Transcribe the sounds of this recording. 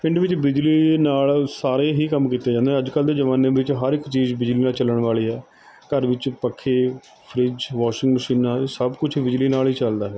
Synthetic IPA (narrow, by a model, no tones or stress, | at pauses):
pʰɪ̃ɳɖʋɪt͡ʃbɪd͡ʒliːnaːlsaːɾeːɦiːkəmkiːt̪ːeːd͡ʒãːnd̪eɦɛ̃ːəd͡ʒkəld̪eːd͡ʒəʋãːnẽːʋɪt͡ʃɦəɾɪkːt͡ʃiːzbɪd͡ʒliːnaːt͡ʃələɳ̃ʋaːɭiːɦɛː | kəɾʋɪt͡ʃpəkʰːeː | pʰəɾɪd͡ʒʋaːʃɪ̃ŋɡməʃiːnaːsəbkʊt͡ʃʰbɪd͡ʒliːnaːlɦiːt͡ʃəld̪aːɦɛː